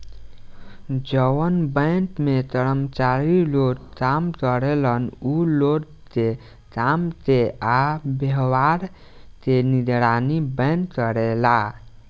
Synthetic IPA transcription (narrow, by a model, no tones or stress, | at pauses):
d͡ʒəwənbə̃ɪnʈmet̪əɾəmt͡ʃaɾiloɾkamk̪əɾelənuloɾ | t̪e | kamt̪eabeɦwaɾ | t̪enid̪ɾanibə̃ɪntkəɾela